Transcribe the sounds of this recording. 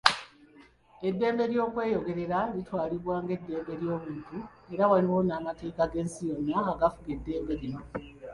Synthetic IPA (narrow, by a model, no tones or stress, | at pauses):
e̞dːe̞ːmbe̞ɾjo̞ːkwe̞ːjo̞ɡe̞ɾe̞ɾalitwaːliβwaːŋɡe̞dːe̞ːmbe̞ɾjo̞ːβuːntu | e̞ɾawaliwo̞naːmate̞ːkaɡe̞ːnsijo̞nːaːɡafuɡe̞dːe̞ːmbe̞ɾino